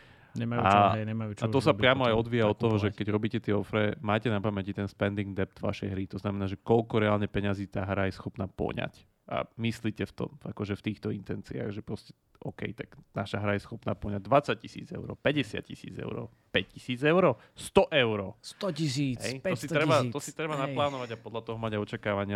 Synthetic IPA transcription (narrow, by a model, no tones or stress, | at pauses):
ɲɛmajuaɲɛmajut͡ʃat̪ɔsapɾɪamɔajɔd̪ʋiːjaɔt̪ːɔɦɔʒɛkkɛɟɾɔbiːcɛt̪ɪɛɔfɾɛmaːcɛnapamɛcit̪ɛnspɛnd̪iŋɡd̪ɛp̚d̪̥vʋa̰ʃɛjɦɾit̪ɔznamɛnaːʒɛkɔʎkɔɾɛaːlɲɛpɛɲaziːt̪aːɦɾajɛsxɔpnaːpɔ̰ɲa̰c | ʔa̰misliːcɛft̪ɔ̰makɔʒɛft̪iːxt̪ɔint̪ɛnt͡sia̰ɣʒɛpɾɔscɛ̥ | ʔɔkɛ̰jt̪aɡ̥naʃaɦɾajɛsxɔpna̰ːpɔɲaɟ̚d̪ʋat͡sac̚cisḭːd͡zɛ̰ʊɾɔ̰ːpɛɟɛsɪa̰t̪̚cḭsḭːd͡zɛ̰ʊɾɔ̰ | pɛc̚cisiːd͡zɛʊɾɔː | st̪ɔʔɛʊɾɔːsiɦɛ̰jt̪ɔsit̪ɾɛbat̪ɔsit̪ɾɛbanaplaːnɔʋaɟapɔd̪ʎat̪ɔɦɔmaɟajɔt͡ʃakaːʋaɲɪa